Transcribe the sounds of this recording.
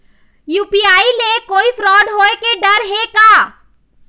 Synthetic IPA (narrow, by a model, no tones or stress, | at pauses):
juːpiaːilekoːifɾɔːɖɦoːekeɖɐɾɦekaː